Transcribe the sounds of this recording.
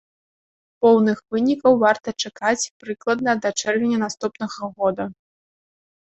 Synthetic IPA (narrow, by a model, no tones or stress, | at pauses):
pɔwnɨxvɨnʲikɐwvart̪ɐt͡ʂakat͡sʲpɾɨklˠɐd̪̚nɐd̪ɐt͡ʂɛrvʲenʲɐnast̪upnɐɣɐɣɔd̪ɐ